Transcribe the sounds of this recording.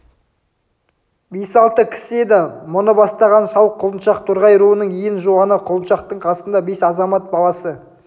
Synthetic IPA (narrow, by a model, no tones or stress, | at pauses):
besɑlˠt̪əkʲʰɪ̥sɪe̞d̪ɪmʊnəbɑst̪ɑʁɑnsɑw̪ˠqʰʊlˠənʃɑq̚t̪ʰʊɾʁɑjɾuənəɴijɪnʒoɑnəqʰʊlˠənʃɑqt̪əɴqʰɑsənd̪ɑbe̞sɑzɑmɑt̪̚bɑlˠɑsə